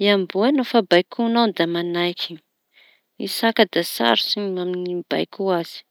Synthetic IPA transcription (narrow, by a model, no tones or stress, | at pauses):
iambuenofabajkʰunand̪amanajkʰʲi | isakad̪asa̰ɾusiɲaminiba̰jkuaz̥i̥